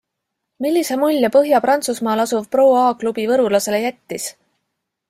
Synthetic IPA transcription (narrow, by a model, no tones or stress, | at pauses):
milːisemulʲːɑpɤɦjɑpɾɑnt̪susmɑːlɑsuv̥pro̞ːɑːklub̥ivɤɾulɑse̞le̞jæt̪ʲːis